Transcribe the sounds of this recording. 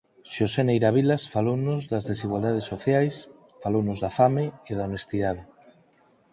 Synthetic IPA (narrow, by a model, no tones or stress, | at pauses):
ʃosenejɾaβilasfalownʊzðɐzðesiɣwald̪að̞esːoθjajs | falownozðafameeðaonest̪iðaðɪ